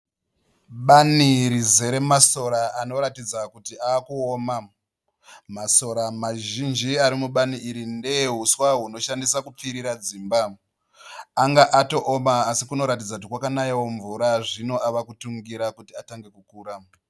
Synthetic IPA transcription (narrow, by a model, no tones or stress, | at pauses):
ɓaniɾize̞ɾe̞maso̞ɾaano̞ɾatid͡zakutiaːkuoma | maso̞ɾamaʒind͡ʒiaɾimuɓaniiɾindeɦuswaɦuno̞ʃandisakup͡fiɾiɾad͡ziːmba | aŋɡaʔato̞ʔomaːsikuno̞ɾat̬id͡zakut̬ikwakanaiwoɱvuɾaʐino̞ʔaʋakutuŋɡiɾakutiataŋɡe̞kukuːɾa